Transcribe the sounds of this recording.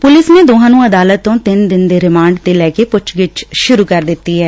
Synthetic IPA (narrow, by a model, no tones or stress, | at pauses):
pʊlɪsneːd̪oːɦãːnũːəd̪aːlət̪ːõːt̪ɪnd̪ɪnd̪eːɾɪmãːɳɖd̪eːlɛːkeːpʊt͡ʃʰɡɪt͡ʃʃʊɾuːkəɾd̪ɪt̪ːiːɦɛː